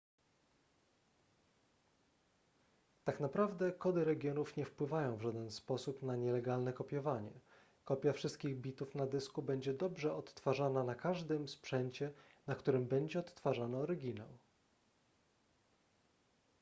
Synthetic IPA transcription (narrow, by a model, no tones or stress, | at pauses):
t̪aknapɾavd̪ɛkɔd̪ɘɾɛɡʲjɔnufɲɛfpwɘvajɔ̃w̃vʐad̪ɛnspɔsupnaɲɛlɛɡalnɛkɔpʲjɔvaɲɛ̰ | kɔpʲjafʂɘst̪kʲiɣbʲit̪ufnad̪ɘskubɛɲd͡ʑɛd̪ɔbʐɛɔt̪ːfaʐananakaʐd̪ɘmspʂɛɲt͡ɕɛnakt̪uɾɘmbɛɲd͡ʑɛɔt̪ːfaʐanɛːɾɘɡʲinaw